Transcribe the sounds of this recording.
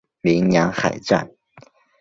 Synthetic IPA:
mi˧˥ŋjɑ˧˥ŋxa˨˩ɪʈ͡ʂa̰˥˩n

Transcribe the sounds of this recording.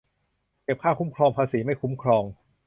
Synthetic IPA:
ke˨˩p̚kʰaː˥˩wkʰu˦˥mkʰɾɔː˧ŋpʰaː˧siː˩˦ma˥˩jkʰu˦˥mkʰɾɔː˧ŋ

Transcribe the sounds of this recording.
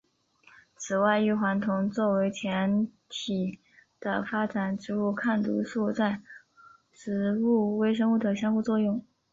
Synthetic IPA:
t͡sʰɹ̩˨˩wa˥˧ɪy˥˩xwa˧˥nt̪ʰʊ˧˥ŋt͡swɔ˥˩we˧˥ɪt͡ɕʰjɛ˧˥nt̪ʰi˨˩ | d̪̥ə̰˧fa˥ʈ͡ʂa˨˩nʈ͡ʂɻ̩˥˧u˥˧kʰa˥˩nt̪ṵ˧˥ʂu˥˧t͡sa˥˩ɪ | ʂɻ̩˧˥u˥˩we˥ɪʂɤ˥ŋu˥˩d̪ə˨˩ɕjɑ˥ŋxu˥˧t͡swɔ˥˧jʊ˥˩ŋ

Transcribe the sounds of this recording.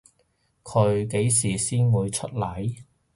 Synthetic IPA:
kʰɵ˨˧ɥke˨˥jsiː˨˩siː˥nwuː˨˧jt͡ʃʰɵ˥t̚lɐ˨˥j

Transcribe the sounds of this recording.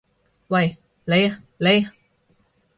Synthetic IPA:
wɐ˨j | le˨j | le˨j

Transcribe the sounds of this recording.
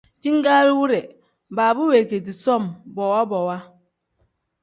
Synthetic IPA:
d͡ʒi˦ŋ˦ɡa˦ɾi˦wu˦ɾɛ˨ | ba˨bu˦we˨ke˨ti˨sɔ˦˨mbɔ˨wa˦bɔ˨wa˦

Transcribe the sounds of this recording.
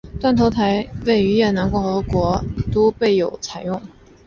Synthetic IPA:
t̪wa˥˩nt̪ʰo˧˥ʊt̪ʰa˧˥ɪwe˥˩ɪy˧˥jɛ˥˩na˧˥nkʊ˥˩ŋxɤ˧˥kwɔ˧˥t̪o˥ʊpe˥˩ɪjo˨˩ʊt͡sʰa˨˩ɪjʊ˥˩ŋ

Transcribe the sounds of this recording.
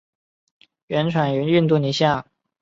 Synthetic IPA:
ɥɛ˧˥nʈ͡ʂʰwa˨˩ny˧˥ny˥˧nt̪u˥˩ni˨˩ɕja˥˩

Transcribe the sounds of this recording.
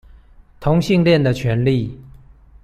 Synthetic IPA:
t̪ʰʊ˧˥ŋɕi˥˧ŋljɛ˥˩nd̪ə˩t͡ɕʰɥɛ˧˥nli˥˩˨

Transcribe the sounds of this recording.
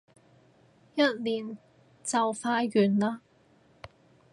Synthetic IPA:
jɐ˥t̚liː˨˩n | t͡sɐ˨wfaː˧ɥyː˨˩nlaː˥

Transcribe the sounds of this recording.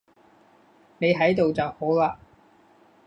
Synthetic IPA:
ne˨˧jɦɐ˨˥jt̪o˨wt͡sɐ˨who˨˥wlaː˧

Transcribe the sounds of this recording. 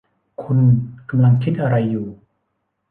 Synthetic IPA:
kʰu˧nka˧mla˧ŋkʰi˦˥t̪̚ʔa˧ɾa˧jːuː˨˩

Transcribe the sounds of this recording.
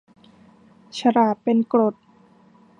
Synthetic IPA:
t͡ɕʰa˧ɾaː˨˩t̪̚pe˧nkɾo˨˩t̪̚

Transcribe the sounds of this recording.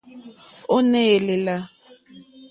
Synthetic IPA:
ʊ˦nɛ˦e˨lɪ˨la˦

